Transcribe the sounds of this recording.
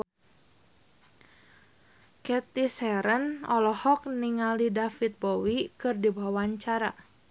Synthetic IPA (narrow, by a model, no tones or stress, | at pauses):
kɛt̪isɛɾənɔlɔhɔk̚niŋalidafit̪̚bɔwikɨrdibawawaɲt͡ʃaɾa